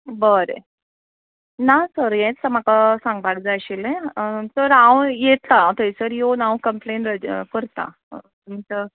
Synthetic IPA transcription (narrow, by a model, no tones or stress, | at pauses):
bəɾḛ | nasəɾjɛ̃t̪samakasãŋɡbaɡ̚d͡zaɕilẽsəɾãwjet̪lat̪əisəɾjonawkəmplẽnɾəkəɾt̪a̰ | t̪umt͡sə